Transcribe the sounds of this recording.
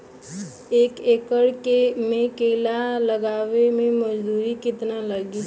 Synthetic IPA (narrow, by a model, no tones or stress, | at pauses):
eːkeːkəɽkemẽkeːlaləɡaːʋemẽməd͡ʒd̪uːɾikɪt̪naləɡi